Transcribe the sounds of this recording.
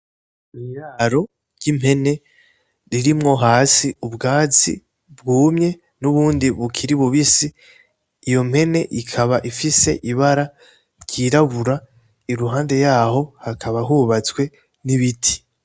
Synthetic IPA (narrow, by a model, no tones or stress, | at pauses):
ijaːɾo̞ | ɾɟ̥im̥he̞ne̞ | ɾiɾimŋo̞ɦaːsiubɡaːzḭ | bɡuːmɲe̞ | nuβuːndiβukʰiɾiβuβisiː | jo̞m̥he̞ne̞ʔikʰaβaʔifise̞ʔiβaɾa | ɾɟiːɾaβuɾa | iɾuɦaːnde̞jaːho̞hakʰaβaɦuβat͡swe̞ | niβitʰi̥